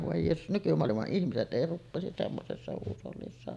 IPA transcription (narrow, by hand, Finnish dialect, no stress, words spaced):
ʋoˑe jeːsus nykymoɑlimɑʔ ʔihmiset ʔei rupːeˑisis semːosesːɑ huːsolːisːɑ